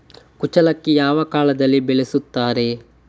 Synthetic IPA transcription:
kut͡ʃɐlɐkːejaːʋɐkaːlɐd̪ɐlːibeɭesut̪ːaːɾe̞

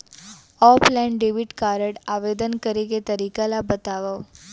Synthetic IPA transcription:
ɔplɛ̃ɳɖeʋiʈkaɾəɽaʋed̪ənkəɾiket̪əɾikalabət̪aʋaʋ

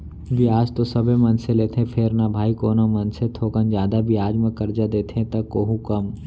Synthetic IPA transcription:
bʱiaːd͡ʒt̪osɐbʱemɐnseleːt̪ʰɦẽpʰɪɾnabʱaːikoːnamɐnset̪ʰoːkənd͡ʒjaːd̪abʱiaːd͡ʒmẽkɐɾd͡ʒad̪eːt̪ʰeẽt̪ɐkːoːɦũkɐm

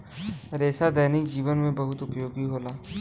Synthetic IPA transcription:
ɾeːsad̪ɐːnɪkd͡ʒiːʋənmẽbɐɦʊt̪ʊpjoːɡiɦoːlaː

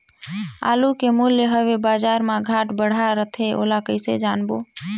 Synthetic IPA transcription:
a̰lukemuljəɦəʋebaːd͡ʒaɾmaɡʱaʈbəɽ̤aɾət̪ʰeʔo̰lakəɪsed͡ʒanbo

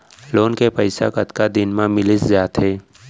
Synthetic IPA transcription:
loːnkepəɪsa̰kət̪kad̪ɪnmãmɪlɪszaːt̪ɦeː

